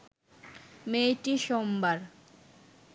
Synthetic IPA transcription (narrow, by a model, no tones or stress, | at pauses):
mejʈiʃombaɾ